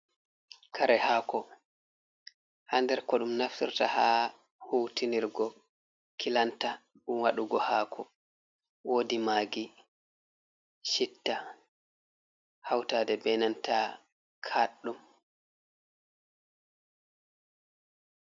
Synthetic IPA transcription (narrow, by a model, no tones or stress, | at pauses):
kʰaɾɛhakɔ | handɛɾkɔɗumnaftḭɾtahaː | huwtiniɾɡɔ | kilanta | ɗumwaɗuɡɔhaːkʰɔ | wodimaːɡi | ʃitːa | hawtadɛbɛnanta | kʰaɗːum